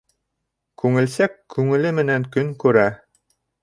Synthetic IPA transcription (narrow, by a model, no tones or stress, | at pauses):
kʉŋɘ̆lsækːʉŋɘ̆lɘmɘ̆næŋkɵŋkʉɾæ